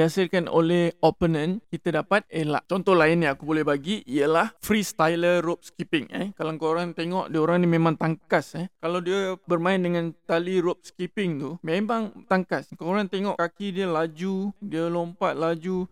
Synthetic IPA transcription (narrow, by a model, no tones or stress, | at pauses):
iasɪrkano̰lɛhopənə̃nkit̪adapat̪̚ela̰ʔt͡ʃɔnt̪ɔhlaɪnːjãakubolɛhbaɡiijəlahfɾist̪ajləɾop̚skipɪŋa̰kalaŋkoɾaŋnt̪eŋɔʔdiəoɾaŋnimẽmãŋt̪aŋkasəkalawdiəbərmãɪndəŋãnt̪aliɾop̚skipɪŋt̪umemãŋt̪aŋkaskoɾant̪eŋɔʔkakidiəlad͡ʒudiəlompaʔ̪̚lad͡ʒu